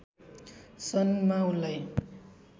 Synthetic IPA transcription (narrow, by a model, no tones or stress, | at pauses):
sʌnmawlaj